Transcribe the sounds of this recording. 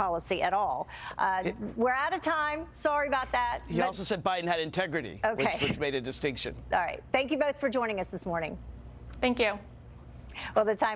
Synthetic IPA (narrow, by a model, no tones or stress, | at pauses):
ɑlˠəsiʔɨɾɔlˠ | ʔwɪɹəɾɨtʰãɪ̃msɑɹiɨbaʊt̪̚ðæt̚hiɔlˠsoʊsɛd̚baɪdⁿn̩ɨɾɨ̃ntʰɛɡɹɨɾḭoʊkeɪwɨt͡ʃmeɪɾɨdɨstɪ̃ŋkʃɨ̰̃nɑ̰lˠɹaɪt̚θæ̃ŋkjɨboʊθfə˞d͡ʒɔ̃ɪ̃nɪ̃ŋʌsðɪsmɔɹnɪ̃ŋ | θæ̃ŋkjʉ | wɛlˠðɨtʰãɪ̃